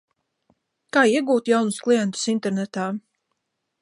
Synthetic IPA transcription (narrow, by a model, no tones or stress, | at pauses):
kaːiɛɡuːt̪jawnusklˠijɛnt̪u̥sint̪ɛɾnɛt̪aː